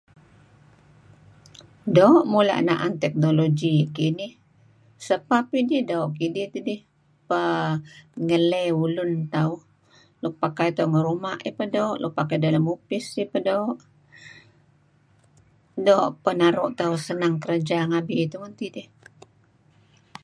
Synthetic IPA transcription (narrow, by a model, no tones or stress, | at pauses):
daɔʔmula̰ʔnaʔa̰nt̪ɛk̚noloɡikinɪh | səpapidihdaoʔkidɪht̪udɪh | pə | ŋəlɛulʊnt̪auh | lʊk̚pakajt̪auŋəɾumaʔipədaoʔluk̚pakajdalamupɪsipədooʔ | doːʔpənaɾʊʔt̪ausənaŋkəɾad͡ʒaŋabiit̪umənt̪idɪh